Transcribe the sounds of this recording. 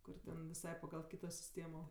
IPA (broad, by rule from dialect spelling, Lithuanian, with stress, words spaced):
ˈkʊr tʲɛn ʋʲɪˈsɐɪ pɐɡɐlˠ ˈkʲiːtoː sʲɪˈsʲtʲeːmoː